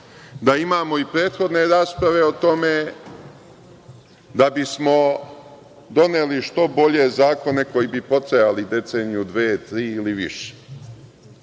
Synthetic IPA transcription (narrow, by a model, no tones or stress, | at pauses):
d̪aimaːmo̞ipɾe̞ːt̪xo̞d̪ne̞ɾaːspɾaʋe̞ot̪o̞me̞ | d̪abismo̞ | d̪o̞neliʃt̪o̞bo̞ʎe̞zaːko̞ne̞ko̞jibipo̞t̪ɾejalid̪e̞t̪se̞ːnijud̪ʋeːt̪ɾiːiliʋḭʃe̥